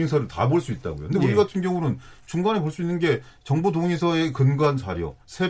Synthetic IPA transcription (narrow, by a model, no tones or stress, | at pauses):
esʰʌɾɯɭta̰boɭs͈uit̚t͈a̰ɡo̰jo̰kɯndeuɾiɡatʰɯnɡjʌŋuɾont͡ɕuŋɡanepoɭs͈uinːɯnɡe̞t͡ɕʌŋbodoŋisʰʌe̞kɯnɡwant͡ɕa̰ɾjʌ̰ | sʰe